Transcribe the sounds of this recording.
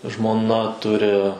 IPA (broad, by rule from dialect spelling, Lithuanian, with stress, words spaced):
ʒmoːˈnɐ ˈtʊrʲɪ